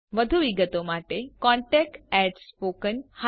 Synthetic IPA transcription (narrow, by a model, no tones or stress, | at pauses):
ʋəd̪ʱuʋiɡət̪omaʈekɔ̃ɳʈɛk̚ʈɛɖspokənha